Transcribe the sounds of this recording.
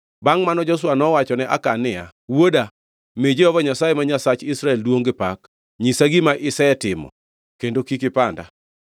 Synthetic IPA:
baŋmanɔd͡ʒos̬wanɔwat͡ʃɔnɛʔa̰kanɪja̰ | woda | med͡ʒeɔvɔɲasajemaɲasat͡ʃɪsɾaɛldwoŋɡɪpak | ɲisaɡimaʔɪsɛɛtɪmɔ̰ | kendokikɪpanda̰

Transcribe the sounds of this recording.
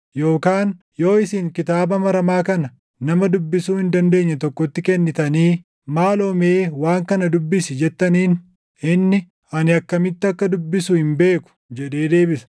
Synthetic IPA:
jo̞ːkaːn | jo̞ːɪsɪŋkɪt̪aːbɐmɐɾɐmaːkɐnɐ | nɐmɐd̪ʊbːɪsuːhɪnd̪ɐnd̪e̞ːɲːɐt̪ɔkːɔt̪ːɪkɛnːɪt̪ɐniː | maːloːme̞ːwaːŋkɐnɐd̪ʊbːɪsɪd͡ʒɛt̪ːɐniːn | ɪnːɪ | ɐnɪɐkːɐmɪt̪ːɪɐkːɐd̪ʊbːɪsʊhɪmbe̞ːkʊ̥d͡ʒɛᶑe̞ːd̪e̞ːbɪsɐ̥

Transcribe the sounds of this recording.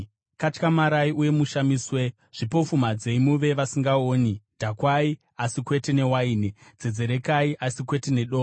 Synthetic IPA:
kat͡ʃkamaɾaiʔuje̞muʃamiːswe̞ | ʐ̥ipo̞fumad͡ze̞imuʋe̞ʋasiŋɡaoːnidʱakwai | asikwe̞te̞ne̞waiːned͡zed͡ze̞ɾe̞kaiʔasikwe̞tene̞ɗoː

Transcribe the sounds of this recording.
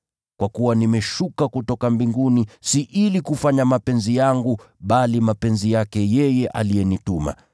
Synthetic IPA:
kwakuwanimɛʃukakutɔkambiŋɡunisiʔilikufaɲamapɛnzijaŋɡu | ɓalimapɛnzijakɛjɛjɛʔalijɛnituma̰

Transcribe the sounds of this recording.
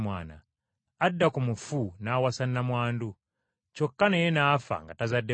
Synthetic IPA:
mwaːna̰ː | dːakumufunaːwasanːamwaːndu | t͡ʃokːanejenaːfa̰ŋɡatazadːe

